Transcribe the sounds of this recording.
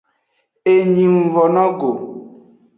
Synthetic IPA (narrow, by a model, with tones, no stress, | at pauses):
e˨ɲĩ˨mu˨vɔ˨nɔ̃˦ɡo˨